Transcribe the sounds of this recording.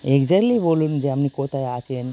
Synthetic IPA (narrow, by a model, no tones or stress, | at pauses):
eɡd͡ʒɛɾlibolund͡ʒeamnikot̪ajat͡ʃʰen